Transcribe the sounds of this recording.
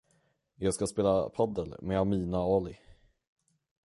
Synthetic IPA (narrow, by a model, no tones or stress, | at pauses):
jɑːɡskaspeːlapʰad̪əlmɛamiːnaɔːlɪ